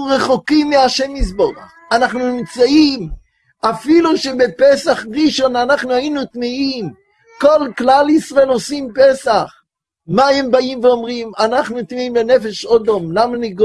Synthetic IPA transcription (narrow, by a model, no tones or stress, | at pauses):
ʁɛχokimːɪaʃɛmis̬boʁa̰χ | anaχnunimt͡saim | afiluʃebepɛsaχʁiʃonanaχnuainut̪miim | kolklalisʁoelosimpɛsaχ | maɛmbaimveɔmʁimanaχnutmiimbenɛfɛʃɔdomlamaniɡ